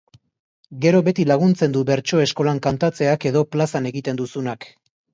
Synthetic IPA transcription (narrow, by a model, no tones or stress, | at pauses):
ɡe̞ɾo̞βe̞t̪ilaɣunt͡se̞nd̪uβe̞ɾt͡ʃo̞e̞sko̞laŋkant̪at͡se̞ake̞ðo̞plasane̞ɣit̪e̞nd̪usunak